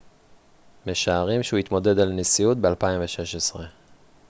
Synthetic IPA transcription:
me̞ʃaːʁimʃehuit̪mo̞de̞d̪alnesijut̪̚bealpaimveʃe̞ʃesʁe̞

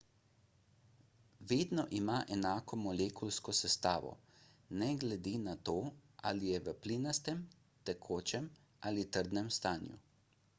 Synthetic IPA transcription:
ʋeːd̪nɔʔimaʔɛnaːkɔmɔleːkulskɔsɛst̪aːʋɔ̰nɛɡlɛd̪inat̪oːʔa̰lijɛʋəplinast̪ɛm | t̪ɛkʰoːt͡ʃɛm | ʔaːlit̪əɾd̪nɛmst̪aːnjṵ

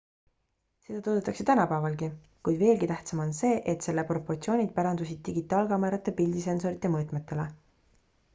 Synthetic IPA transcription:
se̞d̪ɑt̪ud̪ut̪ːˑɑkset̪ænɑpævɑlɡi | kujd̪ve̞ːlɡit̪æht̪sɑmo̞nse̞ːʔet̪se̞lːepro̞pːo̞rt̪sio̞ːnʲid̪̥̚pæɾɑnd̪usid̪̥̚t̪ːiɡit̪ːˑɑːlkɑmeɾɑt̪ˑːe̞pild̪is̬e̞nso̞ɾit̪ːˑemɤːt̪ˑmet̪ːˑe̞le

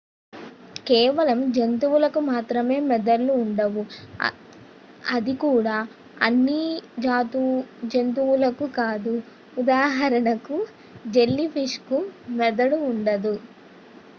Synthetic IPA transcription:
kɛːʋɐlɐmd͡ʒent̪uʋulɐkumaːt̪ɾɐme̞ːmɛd̪ɐlːuːɳɖɐʋu | ɐd̪ikuːɽaː | ɐ̰nːid͡ʒaːt̪ud͡ʒent̪̬uwulɐkukaːd̪uː | d̪aːɦɐɾɐɳɐku | d͡ʒe̞lːipʰiʂkumɛd̪ɐɽuːɳɖɐd̪u

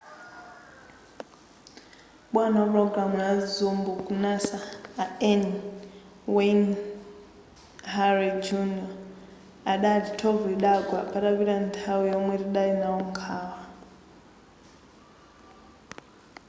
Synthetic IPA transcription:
ɓwanawapɾɔɡɾamujazumbukunasaːɛn | wen | ɦaɾid͡ʒuniɔ | aɗaditʰɔviɗaɡwapaɗaβiɾantʰawijɔmwɛɾiɗainaɔŋkʰaːwa

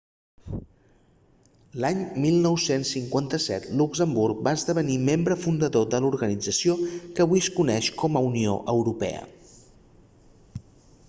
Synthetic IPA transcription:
laɲmilˠnɔwsensːiŋkwant̪əsɛ̰t̪lukzəmbuɾk̚baəzðəβ̞ənimembɾəfund̪əðoðəluɾɣənid͡zəsiokəβwiskunɛʃkɔməunio̰ʔəwɾupɛ̰ə̰

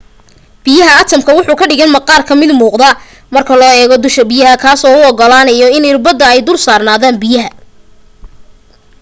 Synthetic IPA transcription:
b̥ɪjɐɦɐɐt̪ʰɐmkʰɐwʊħuːkʰɐɖɪɣɐnmɐqɑːrkʰɐmɪd̪muːqd̪ɐ | mɐrkʰɐlɔːɛːɣɔd̪ʊʃkɐbɪjɐɦɐkʰaːsɔːʊɔɡɔlaːnɐjɔɪnɪrbɐd̪ɐɛjd̪ʊrsaːrnaːðaːnbɪjɐɦɐ

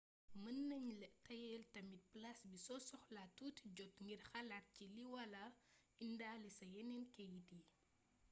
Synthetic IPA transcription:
mənːɐɲlɛtɐjɛltɐmit̚plɐsbisɔsɔxlatuːtiɟɔtŋɡirxɐlat̚ciliwɐlɐ | indaːlisɐjɛnɛnkɛjidi

